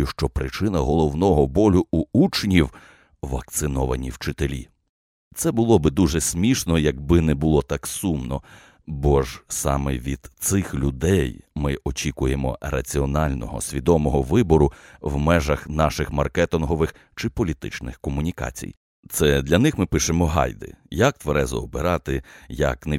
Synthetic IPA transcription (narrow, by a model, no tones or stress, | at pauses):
jʊʃt͡ʃɔpɾɪt͡ʃɪnɐɦɔlˠɔwnɔɦɔbɔlʲʊuut͡ʃnʲiw | ʋɐk̚t̪sɪnɔʋɐnʲiwt͡ʃɪt̪elʲḭ | t̪sɛbʊlˠɔbɪd̪uʒɛsʲmʲiʃnɔjɐɡ̚bɪnɛbʊlˠɔt̪ɑksumnɔ | bɔʒsɑ̰mɛʋʲid̪̥sɪxlʲʊd̪ɛjmɪʔɔt͡ʃʲikʊjemɔ̰rɐ̰t͡sʲiɔnɑlʲnɔ̰ɦɔ̰sʲʋʲid̪ɔmɔɦɔʋɪbɔɾʊwmɛʒɐxnɑʃɪxmɐrkɛt̪ɪnɦɔʋɪx | t͡ʃɪpɔlʲit̪ɪ̰t͡ʃnɪ̰xkɔmʊnʲikɑ̰t͡sʲḭj | t̪sɛd̪lʲɐnɪxmɪpɪʃemɔɦɑ̰jd̪ɪ̰jɐk̚t̪ʋɐɾɛzɐ̰ɔbɪɾɑt̪ɪjɐ̰kne